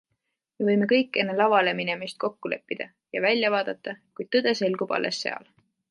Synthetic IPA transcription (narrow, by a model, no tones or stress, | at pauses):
me̞vɤjme̞kɤjkˑːe̞nːelɑvɑle̞mine̞mist̪̚ko̞kːule̞pːid̪̥ɑ | jɑvælʲjɑvɑːd̪̥ɑt̪ːˑɑkujd̥̪̚t̪ɤd̪̥e̞se̞lɡ̥ub̥ɑ̰lːe̞̰sːe̞ɑ̰l